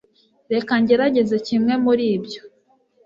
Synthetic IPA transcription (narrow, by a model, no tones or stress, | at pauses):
ɾe̞kaɲɟeɾaɟe̞ze̞cimŋe̞muɾiːbɟo̞